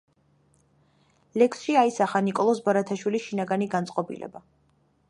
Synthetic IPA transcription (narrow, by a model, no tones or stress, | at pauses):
lɛksʃiaisaχanikʼɔlˠɔsbaɾat̪ʰaʃwilisʃinaɡaniɡant̪sʼqʼɔbḭlɛ̰ba